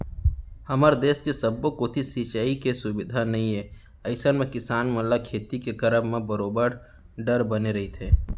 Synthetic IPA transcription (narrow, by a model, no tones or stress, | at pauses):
hɐməɾd̪eːskesɐbːokot̪ʰisit͡ʃaːikesʊbɪd̪ʱanɐɦĩeː | ɐɪsənmẽkɪsaːnmɐlakʰeːt̪ikekɐɾəbmẽbəɾoːbəɾ | ɖəɾbɐneɾɐɦit̪ʰeː